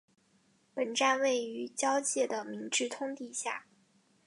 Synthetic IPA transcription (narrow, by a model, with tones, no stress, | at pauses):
pə˨˩nʈ͡ʂa˥˧nwe˥˩ɪy˧˥t͡ɕjɑ˥ʊt͡ɕjɛ˥˩d̪ə˩mi˧˥ŋʈ͡ʂɻ̩˥˩t̪ʰʊ˥ŋt̪i˥˧ɕja̰˥˩